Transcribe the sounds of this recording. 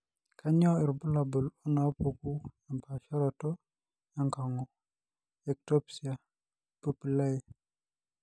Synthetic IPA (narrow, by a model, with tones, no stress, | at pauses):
kʰa˦ɲɔ˦i˨ɾbu˦la˨bu˨lɔ˦na˨˦pu˨ku˦a˨mpa˨ʃa˦ɾɔtɔ˦ | ja˦ŋka˨ŋɔ | ɛ˨k̚topsia˨ | pupi˨la˦i